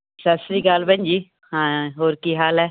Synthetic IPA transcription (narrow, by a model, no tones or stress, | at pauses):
səsɾiːɡaːlbə̃ɲd͡ʒiː | hãːɦoːɾkiːɦaːlɛː